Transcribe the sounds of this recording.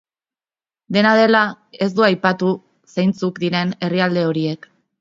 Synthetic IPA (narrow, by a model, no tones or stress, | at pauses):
d̪e̞nað̞e̞la | e̞zd̪uajpat̪u | sejnt͡sukd̪iɾe̞ne̞riald̪e̞o̞ɾie̞k